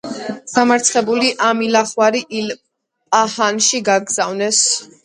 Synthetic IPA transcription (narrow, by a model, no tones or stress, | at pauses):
ɡ̥amaɾt̪sʰχɛbuliʔamilaχwaɾiʔil | pʼahanʃiɡaɡz̥avnɛs